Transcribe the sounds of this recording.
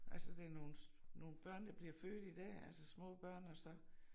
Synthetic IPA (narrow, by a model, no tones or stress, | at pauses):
ʔælsəd̥e̝æɐno̝ːn̩no̝ːn̩b̥ɶɐ̰nd̥ɑ̈b̥liɐføːd̥id̥ɛ̰ːælsəsmɔ̰̽ːb̥ɶɐ̰nɒ̽sɒ̽